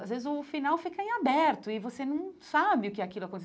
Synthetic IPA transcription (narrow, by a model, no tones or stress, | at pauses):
azvezɪzʊfinawfikɐẽabɛɾt̪ʊɪvosenɐ̃w̃sabɪʊkɪakilʊakõt̪es